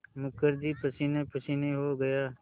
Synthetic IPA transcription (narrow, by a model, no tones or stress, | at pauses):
mʊkəɾd͡ʒipɐsinepəsineɦoɡɐjaː